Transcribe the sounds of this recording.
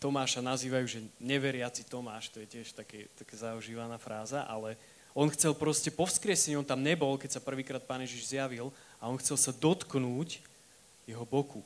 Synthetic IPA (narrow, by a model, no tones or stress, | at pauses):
t̪ɔmaːʃanaziːʋajuːʒɛɲɛʋɛɾɪat͡sit̪ɔmaːʃt̪ɔjɛcɪɛʃt̪akɛt̪akɛːzauʒiːʋanaːfɾaːzaʔa̰lɛ | ɔnxt͡sɛlpɾɔscɛpɔwʊskɾɪɛsɛɲiɔnt̪amɲɛbɔlkɛcsapr̩ʋiːkɾaːt̪̚paːnjɛʒiʒzjaʋil | aɔnxt͡sɛlsad̪ɔt̪knuːc | jɛɦɔbɔku